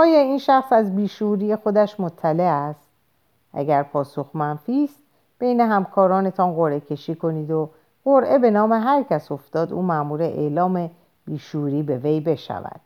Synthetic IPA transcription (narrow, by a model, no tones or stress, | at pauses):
ʔɒːjɒːiːnʃæxsæzbiːʃuːɾiːje̞xo̞d̪æʃmo̞t̪ʰːæle̞æst̪ | ʔæ̰ɟæɾpʰɒːso̞xmænfiːst̪ | b̥e̞jne̞ɦæmkʰɒːɾɒːne̞t̪ʰɒnɣo̞ɾʔe̞cʰe̞ʃiːko̞niːd̪o̞ | ɣoɾʔe̞be̞nɒːme̞ɦæɾcʰæso̞ft̪ɒːd̪ṵːmæʔmuːɾeʔḛlɒːme̞ | b̥iːʃuːɾiːbe̞ve̞jbe̞ʃæ̰væ̰d̪̥